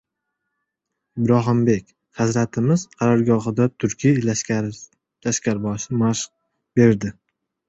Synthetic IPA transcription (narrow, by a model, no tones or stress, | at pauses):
ɪbɾɒɦɪmbe̞kʲ | hɨzɾat̪ʰɪmɪz̥qʰɑɾaɾɡɒɦɨd̪at̪ʰʊɾkʲʰi | laʃkʲaɾbɒʃɪmaʃq̚ | be̞ɾɾd̪ɪ